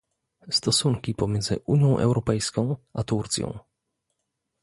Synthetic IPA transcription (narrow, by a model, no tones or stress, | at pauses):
st̪ɔsuŋkʲipɔmjɛnd̪zɘ̰ʔuɲjɔ̃w̃ʔɛ̰wɾɔpɛjskɔ̃w̃ʔat̪uɾt̪sʲjɔ̰̃w̃